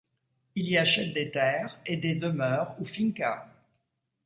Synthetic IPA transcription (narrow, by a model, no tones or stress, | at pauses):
iliaʃɛt̪̚d̪et̪ɛːʁed̪ed̪əmœʁufiŋka